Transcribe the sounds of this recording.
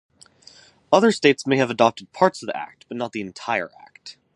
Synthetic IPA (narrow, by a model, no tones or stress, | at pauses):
ʌðə˞steɪtsmeɪɨvədɑp̚tɨd̚pʰɑɹtsʌvðiʔæ̰k̚t̚b̥ʌtⁿnət̪̚ðiɨ̃ntʰaɪə̰˞ʔæ̰k̚t